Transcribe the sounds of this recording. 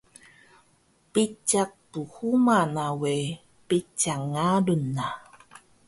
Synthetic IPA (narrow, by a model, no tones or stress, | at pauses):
pit͡ʃak̚tuhumanawe | pit͡ʃaŋadunːa